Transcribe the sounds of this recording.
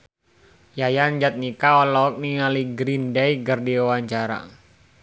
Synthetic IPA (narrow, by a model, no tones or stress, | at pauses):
jajand͡ʒat̪̚nikaɔlɔɔk̚niŋaliɡɾindɛjɡərdiɔwaɲt͡ʃaɾa̰